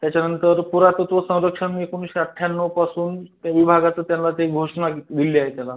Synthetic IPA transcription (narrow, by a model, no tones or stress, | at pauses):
t̪jat͡ɕanənt̪əɾpuɾat̪ot̪ʋəsə̃w̃ɾəkʂəɳiekonuɕiəʈʰjanːəpasuːnt̪jaʋibʱaɡat͡səːt̪janlat̪eiɡʱoʂnad̪iliːaɦet̪jala